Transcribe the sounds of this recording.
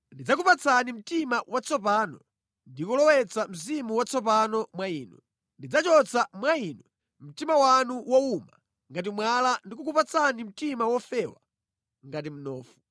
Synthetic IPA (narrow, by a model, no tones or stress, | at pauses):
ndid͡zak̬upat͡sʰanim̩timawat͡sʰɔp̬aːnɔ | ndikɔlɔwɛt͡sʰam̩zimuwat͡sɔp̬anɔmwaiːnwɛ̰ | ndid͡zat͡ʃɔt͡sʰamwainwɛ | m̩timawanuwɔuma̰ | ŋɡat̬imwalandikuk̬upat͡sʰanim̩timawɔfɛwa | ŋɡat̬im̩nɔːfu̥